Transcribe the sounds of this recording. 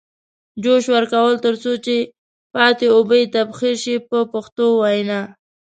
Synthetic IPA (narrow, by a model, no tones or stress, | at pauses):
d͡ʒoʃwəɾkawəlt̪əɾt͡sot͡ʃe | pɑt̪eobəjt̪abxiɾʃipəpaxt̪owajnɑ